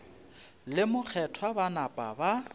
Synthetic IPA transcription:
lɪmʊk͡xʰɛtʰwabanapʼa̰ba

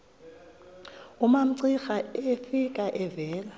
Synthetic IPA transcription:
ʊmam̩ǀixaefikʼaʔɛvɛːla

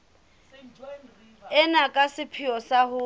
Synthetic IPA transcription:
ɛnakʼasɪpʰiɔsaɦʊ

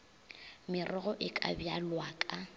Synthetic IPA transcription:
mɪrʔɔɣɔʔɪkʼa̰bjalwaːkʼa

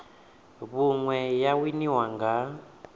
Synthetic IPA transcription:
βuŋwɛjawiniwaŋɡa

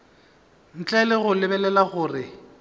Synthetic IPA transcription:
n̩t͡ɬʼɛlɪɣʊlɪbɛlɛlaɣʊːrɪ

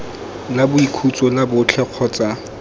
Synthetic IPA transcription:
nabʊikʰut͡sʼɔnabʊt͡ɬʰɛq͡χʰɔːt͡sʼa

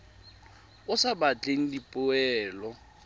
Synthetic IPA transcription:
ʊsabat͡ɬʼeŋ̩dipʼʊɛːlɔ

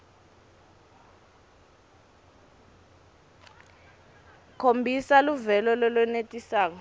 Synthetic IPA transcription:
kʰombʱisaluvɛlɔlɔlɔnetʼisaːkɔ

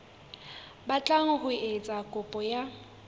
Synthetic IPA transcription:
bat͡ɬʼaŋɔhʊet͡sʼakʼʊpʼɔja

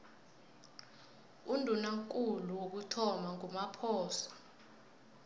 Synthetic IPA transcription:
undʱunaŋkʼuluwok̬utʰɔmaŋumapʰɔːsḁ

